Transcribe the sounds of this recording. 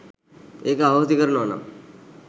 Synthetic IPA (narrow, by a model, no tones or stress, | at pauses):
eːkaɦt̪ikəɾnona̰m